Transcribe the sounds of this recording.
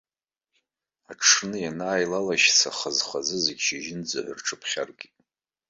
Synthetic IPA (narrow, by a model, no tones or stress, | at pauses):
aʈ͡ʂʰnɨjanaːjlalaʃt͡sʰaχazχazɨzeɡʲʃiʒɪnd͡zɨ̰ʕɨrʈ͡ʂʰɨpʰχʲa̰rɡʲitʼ